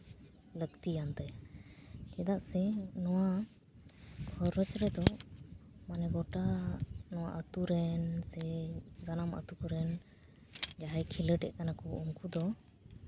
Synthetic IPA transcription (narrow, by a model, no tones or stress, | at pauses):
ləkt̪ijant̪ɛj | t͡ʃɛd̪aʔsɛnɔwa | ɡʰɔɾət͡ʃɾɛd̪ɔ | manɛbɔʈanɔwa̰ʔət̪uɾɛnsɛzanamə̰t̪ukɔɾɛn | d͡ʒaɦajkʰiləʈɛʔ̚k̪anakɔuŋkud̪ɔ